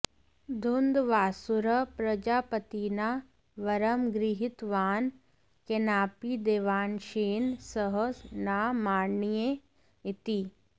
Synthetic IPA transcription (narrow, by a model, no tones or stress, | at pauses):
d̪ʱʊnd̪ʋaːsʊɾəpɾɐd͡ʒaːpət̪ina | ʋɐɾəmɡɾɪɦɪt̪ʋaːn | kenaːpid̪eːʋaːnʃeːnsəɦənaːmaːnije | ɪt̪i